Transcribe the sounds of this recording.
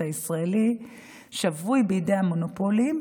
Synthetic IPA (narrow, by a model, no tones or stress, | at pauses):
aisʁaeli | ʃavujbeideamonopolim